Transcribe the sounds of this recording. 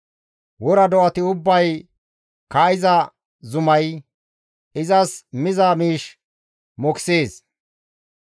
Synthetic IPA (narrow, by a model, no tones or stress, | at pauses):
wɔɾɐd̪ɔʔɐt̪ɪʊbːɐj | kaːɪzɐ | zʊmɐj | ɪzɐsmɪzamiːʃ | mɔkseːs